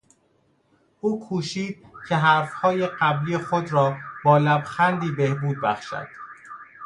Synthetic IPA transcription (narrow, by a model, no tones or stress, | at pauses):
ʔuːkʰuːʃiːd̪̥̚cʰe̞ɦæɾfhɒːjeɢæbliːjexod̪ɾɒːb̥ɒːlæbxænd̪iːbehbuːd̪̚bæχʃæ̰d̪̥